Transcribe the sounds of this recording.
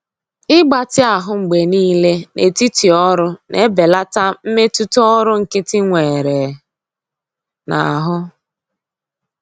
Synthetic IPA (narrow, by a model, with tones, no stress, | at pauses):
ɪ˦ɡ͡ba˨tɪ˦a˨ɦʊ˦ŋ͡m̩˨ɡ͡be˨niː˦le˦ne˨ti˦ti˨ɔ˦ɾʊ˦nʔe˦be˨la˦ta˦m̩˦me˦tu˦tɔ˦ɾʊ˦ŋ̩˨kɪ˦tɪ˦ŋʷe˨ɾe˨ | na̰˨ɦʊ˦